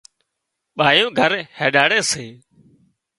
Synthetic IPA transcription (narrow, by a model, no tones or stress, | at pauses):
ɓaːjõːɡʱəɾheːɗaːɽeːseː